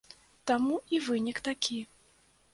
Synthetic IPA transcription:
t̪amuivɨnʲikt̪akʲi

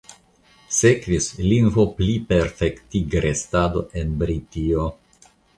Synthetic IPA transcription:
se̞kvislinvo̞plipe̞ɾfektiɡɾe̞stado̞̰ʔe̞nbɾitio

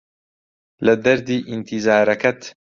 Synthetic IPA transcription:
lɐd̪ɐɾd̪iːʔint̪ʰizaːɾɐkɐt̪

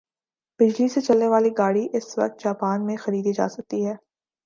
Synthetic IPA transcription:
b̥ɪd͡ʒliset͡ʃɐlneʋaːliɡaːɽiʔɪsʋɐ̰k̚t̪̚d͡ʒaːpaːnmẽxɐɾiːd̪id͡ʒa̰ːsɐk̚t̪iɦɛː

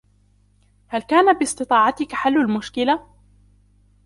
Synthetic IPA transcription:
halkaːnabɪsˤt̪ɨt̪ˤɑːʕɑt̪ɪkħalːalmʊʃkɪla

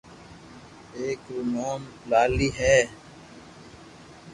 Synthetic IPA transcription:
eːkɾunoːmlaːliːɦɛː

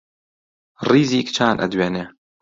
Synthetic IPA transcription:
riːziːkt͡ʃʰaːnʔɐ̰d̪weːneː

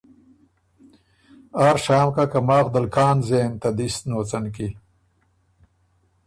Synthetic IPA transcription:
aːɾʂaːmkakɐmaːxd̪ɐlkʰaːnzeːnt̪ɐd̪isnoːt͡sɐnki

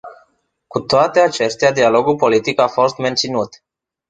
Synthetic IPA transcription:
kut̪oat̪e̞at͡ʃe̞st̪ead̪ialo̞ɡulpo̞lit̪ikafo̞st̪me̞nt̪sinut̪

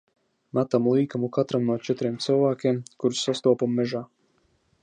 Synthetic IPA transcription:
mat̪amlˠiːkamukat̪ɾamnuɔt͡ʃɛt̪ɾiɛmt̪sɨwvaːkʲemkuɾsːast̪uɔpamːɛʒaː

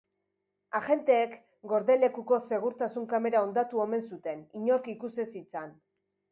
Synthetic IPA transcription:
aʝe̞nt̪e̞ːk | ɡo̞ɾðe̞le̞kuko̞se̞ɣ̞uɾt̪asuŋkame̞ɾao̞nd̪at̪uo̞me̞nsut̪e̞niɲo̞ɾkikuse̞sit͡san

